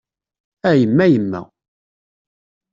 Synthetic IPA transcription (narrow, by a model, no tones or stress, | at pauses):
æjəmːæjəmːæ̰